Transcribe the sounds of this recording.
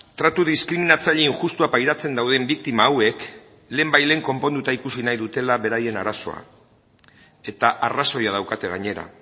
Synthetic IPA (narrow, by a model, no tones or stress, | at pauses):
t̪ɾat̪uðiskɾiminat͡saʎeiŋxust̪uapajɾat͡se̞nd̪awðembik̚t̪imaːwe̞k | le̞ːmbajle̞ːŋko̞mpo̞nd̪ut̪aikusinajðut̪e̞laβe̞ɾaje̞naɾaso̞̰a̰ | e̞t̪aʔaraso̞jað̞awkat̪e̞ɣ̞aɲe̞ɾa̰